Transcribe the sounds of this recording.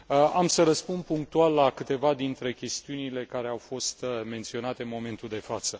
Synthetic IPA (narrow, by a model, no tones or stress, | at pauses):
əamsəɾəspund̪̚puŋk̚t̪ualːakɨt̪e̞vad̪int̪ɾe̞kʲe̞st̪iunile̞kaɾe̞awfo̞st̪me̞nt̪sio̞nat̪e̞nmo̞me̞nt̪uld̪e̞fat̪sə